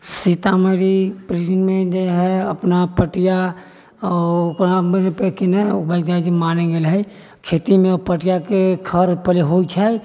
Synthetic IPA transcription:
sit̪aməɾipɾid͡ʒnmẽd͡ʒeɦɛəpnapəʈija | oknaepekinɛʊbəd͡ʒad͡ʒimaːneɡelɦɛ | kʰeːt̪imẽpəʈijakekʰəɾpəleɦoit͡ʃʰɛ

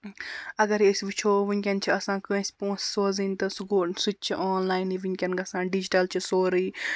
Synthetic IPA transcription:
ɐɡɐɾesʲʋit͡ʃʰoːʋikʲɐnt͡ʃʰiɐsãːkɐ̃sʲpõːnssoːzint̪ɐsuɡosut̪̚t͡ʃʰiʔoːnlaːiniʋiŋʲkʲɐnɡɐsãːɖid͡ʒiʈɐlt͡ʃʰisoːɾiː

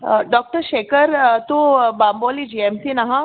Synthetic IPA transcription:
ɖɔːk̚ʈəɾʃeːkəɾt̪ubaːmboːlid͡ʒiːemsinɐɦã

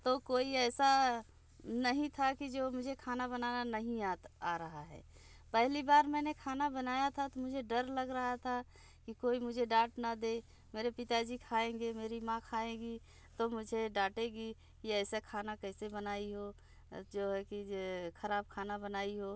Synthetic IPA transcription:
t̪okoːiɛːsa | nəɦĩt̪ʰakid͡ʒoːmʊd͡ʒʱekʰaːnabənaːnanəɦĩaːɾəɦaɦɛ̰ː | pɛɦlibaːɾmɛːnekʰaːnabənaːjat̪ʰat̪omʊd͡ʒʱeɖəɾləɡɾəɦat̪ʰa | kikoːimʊd͡ʒʱeɖaːʈnad̪eː | meːɾepɪt̪ad͡ʒikʰaːẽːŋɡemeːɾimãkʰaːẽːɡi | t̪omʊd͡ʒʱeɖaːʈẽɡi | kiɛːsekʰaːnakɛːsebənaːiɦo | d͡ʒoːɦɛkikʰəɾaːb̚kʰaːnabənaːiɦoː

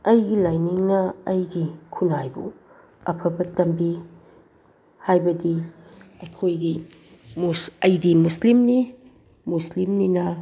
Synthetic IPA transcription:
ɐjɡilajniŋnɐːjɡikʰunajbu | ɐpʰɐbɐtɐmbi | hajbɐdiɐkʰojɡi | musɐjɡimuslimni | muslimninɐ

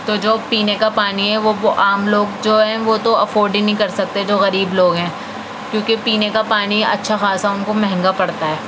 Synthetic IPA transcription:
t̪oːd͡ʒoːpiːnekapaːniɦɛʋooʔaːmloːɡd͡ʒoːɦɛ̃ʋot̪oɐfoːɾɖĩnɐɦĩkɐɾsɐk̚t̪eɦɛd͡ʒoːɣɐɾiːbloːɡɦɛ̃ː | kjõːkepiːnekapaːniɐ̰tːʃʰaxaːsaʊnkomɛɦɛ̃ŋɡapɐɽt̪aɦɛː

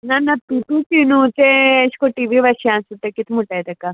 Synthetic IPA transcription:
nɐnːɐt̪uʈut͡ʃinut̪eɐskoʈiʋiʋɐʃiansut̪ːekit̪muʈːajd̪ɐkːa

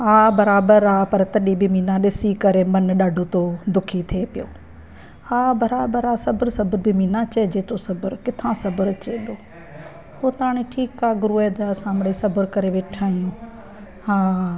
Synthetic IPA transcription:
aːbɐɾaːbəɾaːpɐɾt̪ɐɗibɪmiːnãɗɪsikɐɾemɐnɗaːɖʱot̪oːd̪ʊkʰit̪ʰeːpɪjoː | aːbɐɾaːbəɾaːsɐbəɾsɐbəɾbɪminãt͡ʃɐed͡ʒeːt̪osɐbəɾkɪt̪ʰãsɐbəɾt͡ʃeːɗoː | ɦoːt̪aːɽ̃iʈʰiːkːaːɡʊɾuːeːd̪aɐsãmɽisɐbəɾkɐɾeʋeːʈʰaːijũː | ɦaː

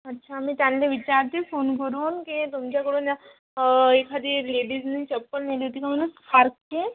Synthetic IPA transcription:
ətːɕʰaːmĩt̪janleʋit͡ɕaɾt̪efonkəɾuːnkit̪umt͡ɕakuɽonja | ekʰad̪ileɖiznit͡ɕepːəlmiliɦot̪ikamanuspʰaɾkke

